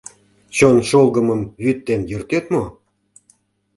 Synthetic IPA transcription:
t͡ɕonʃolɡəməmjyt̪ːenjørt̪et̪mo

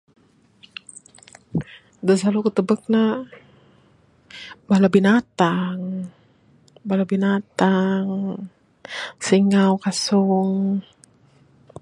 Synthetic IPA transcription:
dəs̬alukət̪əbək̚na | balabinat̪aŋ | balabinat̪aŋ | siŋawkasuŋ

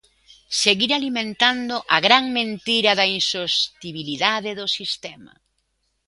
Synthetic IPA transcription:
seɣiɾalimẽnt̪and̪ʊʔɐɣɾaŋmẽnt̪iɾɐðɐinsost̪iβiliðaðɪðʊsist̪ɛmɐ̰

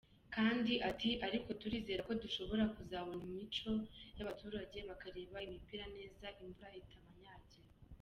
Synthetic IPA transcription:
kaːndiʔatiʔaɾiko̞tuɾiːze̞ɾako̞duʃo̞βo̞ɾakuzaːβonimit͡ʃo̞jaβatuːɾaɟe̞βakaɾe̞ːβaimipiɾane̞ːzaʔimbuɾahitʰamaɲaːɟe

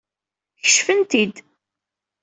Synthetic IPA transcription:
çə̥ʃfənt̪id̪

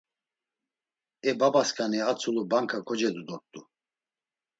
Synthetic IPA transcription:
ɛbabaskʼaniat͡sʰulubaŋkʰakʰɔd͡ʒɛd̪ud̪ɔɾt̪ʼu

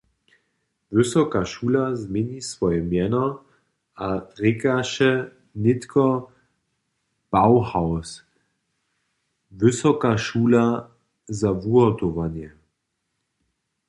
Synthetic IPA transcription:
vʏsɔkaʃuːlazmʲjɛɲisvɔjɛmjɛnɔ | adʁɪkaʃɛ | nɪt̪kʰɔ | b̥awhaws | vʏsɔkaʃuːla | zavuɔt̪ɔvanjɛ

